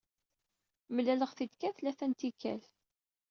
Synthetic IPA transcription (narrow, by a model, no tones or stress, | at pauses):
məlæləʁθid̪kæθlæθænt̪ikːæ̰l